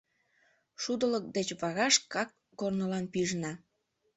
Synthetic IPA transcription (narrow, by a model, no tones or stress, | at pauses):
ʃud̪ələk̚d̪et͡ɕβɑɣɑʃkɑkːornəlɑnpiʒnɑ